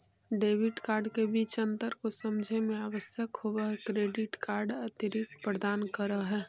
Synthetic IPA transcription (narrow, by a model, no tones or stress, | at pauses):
ɖeːʋɪʈkaːɾɖkebiːt͡ʃə̃nt̪əɾkosəmd͡ʒʱemeaʋəsjəkɦoʋəɦɛkɾeːɖɪʈkaːɾɖət̪jəɾikpɾəd̪aːnkəɾəɦɛː